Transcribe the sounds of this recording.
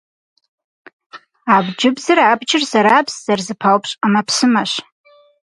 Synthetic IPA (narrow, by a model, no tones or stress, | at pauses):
abd͡ʒɪbzaɾaabt͡ʃʰʼɪrsaɾaːpʰsz̥arzɨpʰalpʰʼɕʷʼamapʰsɨmaʃʷ